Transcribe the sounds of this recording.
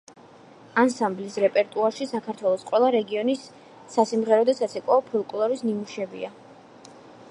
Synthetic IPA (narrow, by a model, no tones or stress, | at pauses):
ansamblisɾɛpʼɛɾt̪ʼuaɾʃisakʰaɾt̪ʰwɛlˠɔsqʼwɛlˠaɾɛɡiɔnisː | asimʁɛɾɔd̪asat̪sʰɛkʼɔːpʰulˠkʼulˠaɾisnimuʃɛbḭa